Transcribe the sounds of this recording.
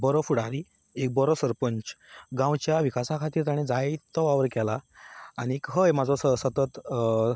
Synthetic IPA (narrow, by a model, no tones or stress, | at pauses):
bɔɾɔfuɽaɾi | ek̚bɔɾɔsəɾpəɲt͡ɕɡãwt͡ɕjaʋikasakʰat̪iːɾt̪aɽ̃ẽd͡zajt̪ɔʋaʋəɾkɛlaːɽ̃iekɦəjmad͡zʱɔsəsət̪ət̪